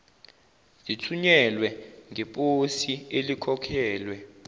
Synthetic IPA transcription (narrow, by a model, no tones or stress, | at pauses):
litʰuɲɛlwɛŋʱɛpʼosielikʰɔkʰɛːlwɛ